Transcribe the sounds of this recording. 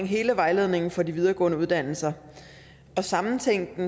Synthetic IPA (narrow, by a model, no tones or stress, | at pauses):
ŋɦe̝ːləʋɑ̈ɪle̝ðˠne̝ŋn̩fɒ̽diʋið̞ˠɐːɡ̥ɔ̰̽ːnəuð̞ˠd̥æn̰l̩sɐ | ɒ̽sɑ̈mn̩t͡sʰeŋ̰d̥n̩